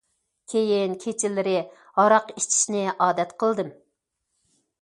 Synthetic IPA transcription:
kʲʰejinkʲʰet͡ʃʰilːɪɾɪ | hɑɾɑqiʃt͡ʃʰi̥ʃnɪʔɑːd̪ɛt̪qʰəlˠd̪ɨm

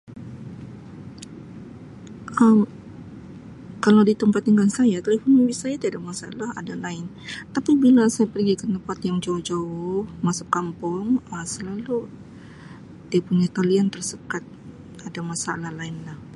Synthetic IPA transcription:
ʔəm | kalawdit̪əmpat̪iŋkansajat̪elefɔnmibisajat̪iadamasa̰laɦa̰dalaɪn | t̪apibilasajapərɡikənt̪əmpat̪jaŋd͡ʒauhd͡ʒaʊhmasap̚kampɔŋəsəlalu | diapuɲat̪oliant̪ərsəkat̪̚ | adamasalahlaɪnlah

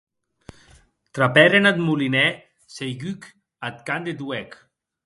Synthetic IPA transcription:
t̪ɾapɛɾenat̪mulinɛ | sejɡyk | at̪̚kand̪et̪uɛk

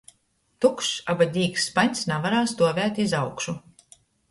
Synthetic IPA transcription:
t̪ukʃabad̪ʲiːksːpaɲʲsnavaɾaːsd̪uɔvʲæːt̪ʲizawkʃu

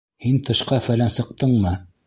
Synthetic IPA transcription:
hint̪ɤ̆ʃqɑfælænsɤ̆q̚t̪ɤɴmɤ

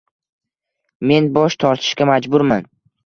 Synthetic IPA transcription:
me̞nbɒʃt̪ʰɒɾt̪ʰɪ̥ʃkʲamad͡ʒbʊɾman

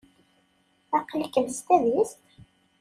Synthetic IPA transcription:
æqəlkəðst̪æðist̪

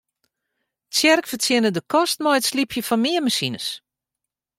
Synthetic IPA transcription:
sjɛrkfərtʰjɪnədəkʰɔstmɔjətslipʰjəfɔnmɪəmasinə̰s

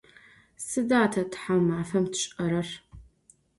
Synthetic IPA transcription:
sɨdaːtʰɐtħawmaːfɐmtʰɕʼɐɾɐr

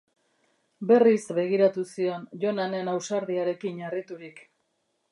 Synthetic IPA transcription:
be̞risbe̞ɣ̞iɾat̪usio̞nʝo̞nane̞nawsaɾðiaɾe̞kiɲarit̪uɾik

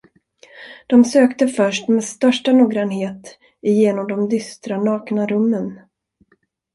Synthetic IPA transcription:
d̪̥ɔmsøːkt̪əfœʂʈmeːd̪st̪œʂʈanuːɡɾanɦeːt̪ | ɪjeːnɔmd̪ɔmd̪ʏst̪ɾanɑːknaɾɵmːən

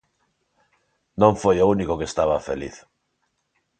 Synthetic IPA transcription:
nõɱfojounikokest̪aβafḛlḭθ

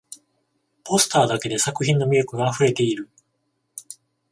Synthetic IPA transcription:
po̞sɨ̥t̪aːd̪ake̞d̪e̞sakɯ̟çĩnːo̞mʲijo̞kɯ̟ɡaːɸɯ̟ɾe̞t̪e̞iɾɯ̟

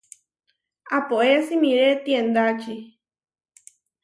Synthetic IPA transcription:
apoʔesimĩɾet̪iend̪at͡ʃi

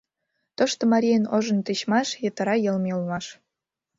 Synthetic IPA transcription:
t̪ŏʃt̪ŏmɑɾʲijənoʒə̆nt̪eɕmɑʃjə̆t̪ə̆ɾɑjə̆lmeulmɑʃ

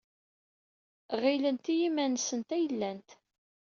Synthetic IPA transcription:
ʁilənt̪ijimænsənt̪æjəlːænt̪

